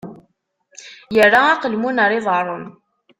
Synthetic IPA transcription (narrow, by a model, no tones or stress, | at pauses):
jərːaaqəlmunəɾˤɪðˤɑrˤon